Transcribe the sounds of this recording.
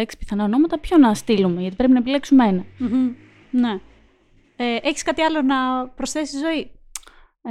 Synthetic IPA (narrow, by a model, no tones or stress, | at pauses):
eksi̥piθɐnɐo̞no̞mɐt̪ɐpço̞nɐst̪ilume̞ʝɐt̪ipɾepinɐepile̞ksumeenɐm | ne̞ | eʔeçi̥skɐt̪iɐlo̞nɐpɾosθe̞siizo̞i